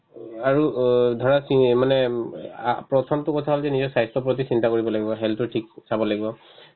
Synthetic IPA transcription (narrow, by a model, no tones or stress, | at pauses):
aɹudʱɔɹasimanɛ̰ | pɹɔtʰɔmtʊkɔtʰaɦɔlzɛnizɔɹsajstɔp̬ɹot̬isintakoɹibɔlaɡibɔɦɛltʊtʰiksabɔlaɡibɔ